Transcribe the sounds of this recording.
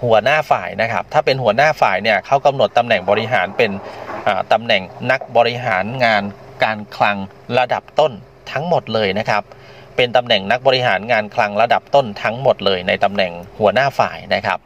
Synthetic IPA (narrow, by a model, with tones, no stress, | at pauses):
hu˨˩˦ɐnaː˥˩fa̰ː˨˩jna˦˥kʰa˦˥p̚t̪ʰaː˥˩pe˧nhu˨˩˦ɐnaː˥˩fa̰ː˨˩jni˥˩ɐkʰa˦˥˩wka˧mno˨˩t̪ːa˧mnɛ˨˩ŋbɔː˧ɾi˦˥ɦaː˩˦npe˧nʔaː˨˩t̪a˧mnɛ˨˩ŋna˦˥k̚bɔː˧ɾi˦˥ɦaː˩˦nŋaː˧n | kaː˧nkʰla˧ŋ | ɾa˧da˨˩p̚t̪o˥˩n | t̪ʰa˦˥ŋmo˨˩t̪̚lɤː˧jna˦˥kʰa˦˥p̚ː | e˧nt̪a˧mnɛ˨˩ŋna˦˥k̚bɔː˧ɾi˦˥ɦaː˩˦nŋaː˧nkʰla˧ŋɾa˧da˨˩p̚t̪o˥˩nt̪ʰa˦˥ŋmo˨˩t̪̚lɤː˧jna˧jt̪a˧mnɛ˨˩ŋhu˩˦ɐnaː˥˩fa̰ː˨˩jna˦˥kʰa˦˥p̚